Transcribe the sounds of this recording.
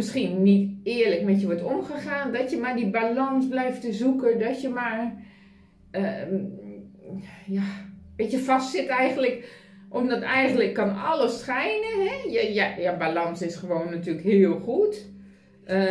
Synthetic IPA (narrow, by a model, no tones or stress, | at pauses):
mɪsxinːitɪələkmɛtjəʋɔtomχəxaːndɔtjəmaɹdibalɔnsblɛjftəzukədɔtjəmar | jaʋeːtjəfastsɪtɛjɣən̩tlək | ʔomdɔtɛjɣən̩tləkːɔnɔləsχɛjnəɦɛjəjajabalɔnsɪsχəʋoːnːatyːələkɦɪəlˠxut